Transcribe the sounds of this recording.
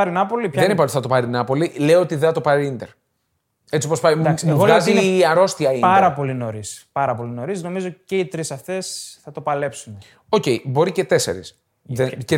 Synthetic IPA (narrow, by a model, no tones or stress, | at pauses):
ɐɾinɐpo̞lipçðenipɐlθɐt̪opɐɾinɐpo̞lile̞oot̪iðeɐt̪o̞pɐɾiind̪eɾ | e̞t͡sipospɐjsɣoɐziɐɾo̞st̪iɐiɐɾɐpo̞lino̞ɾispɐɾɐpo̞lino̞ɾisno̞mizoceit̪ɾisɐfθesθɐt̪o̞pɐle̞psun | o̞ce̞jbo̞ɾice̞t̪e̞se̞̰ɾḭs | ee